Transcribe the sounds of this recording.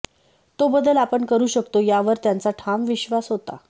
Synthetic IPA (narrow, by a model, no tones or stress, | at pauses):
t̪obəd̪əlapəɳkəɾuːɕəkt̪ojaʋəɾt̪jant͡saʈʰamʋiɕʋasɦot̪a̰